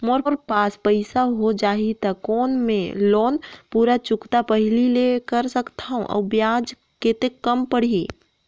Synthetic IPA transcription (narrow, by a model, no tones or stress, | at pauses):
moɾɾpaːspəɪsaɦod͡ʒaːit̪akɔːnmḛ̃loːnpuːɾat͡ʃʊkt̪apəɦlilekəɾsəkt̪aɦṵ̃ʔɔ̰ːbjaːd͡ʒ | ket̪ekəmpəɽ̤i